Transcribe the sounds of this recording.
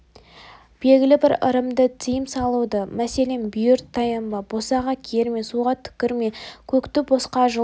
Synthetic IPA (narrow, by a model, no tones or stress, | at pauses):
b̥e̞ɡʲɪlɪbɪɾə̰ɾəmd̪ət̪ʰijɪmsɑlˠud̪əmæse̞le̞nbʏjʏɾt̪ʰːɑjɑmbɑbo̞sɑʁɑkʲʰe̞ɾme̞suʁɑt̪ʰʏ̥kʲɪɾme̞kʲʰɵkt̪ɪbo̞sqɑʒə